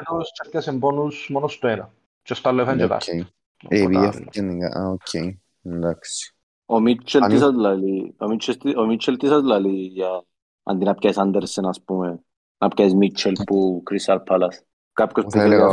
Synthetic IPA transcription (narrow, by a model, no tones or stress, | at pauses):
t̪ost͡ʃɐpkʲːɐsembonusmonost̪enɐ | t͡ʃest̪ɐlːefɐɲd͡ʒet̪ɐ̰ke | eβijɐfkɐniŋɡa̰ʔa̰okʰːej | laksi̥ | omit͡ʃʰːelt̪isɐzlɐliomit͡ʃʰest̪iomit͡ʃʰːelt̪isɐzlɐlija | ɐ̰nd̪inɐpkʲɐjsɐnd̪eɾsenɐspume | nɐpkʲɐjsmit͡ʃʰelpukɾist̪ɐlpʰɐlɐs | kɐp̚kospu